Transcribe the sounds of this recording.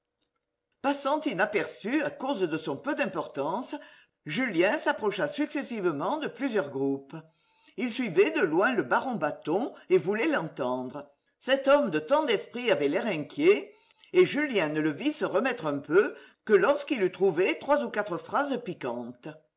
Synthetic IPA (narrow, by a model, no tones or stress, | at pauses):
pasɑ̃t̪inapɛʁsyakozd̪əsɔ̃pød̪ɛ̃mpɔʁt̪ɑ̃sə | ʒyljɛ̃sapʁɔʃasyksesivəmɑ̃d̪əplyzjœʁɡʁup | ilsɥivɛd̪əlwɛ̃ləbaʁɔ̃bat̪ɔ̃evulɛlɑ̃t̪ɑ̃d̪ʁə | sɛt̪ɔmd̪ət̪ɑ̃d̪ɛspχiavɛlɛʁɛ̃kʲje | eʒyljɛ̃nələvisəʁəmɛt̪χœ̃pøkəlɔʁskilyt̪χuvet̪χwazukat̪χəfʁazəpikɑ̃t̪ə